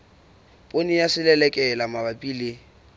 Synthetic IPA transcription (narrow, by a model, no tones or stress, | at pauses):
pʼonijasɪlɛlɛkʼɛlamabapʼiːlɪ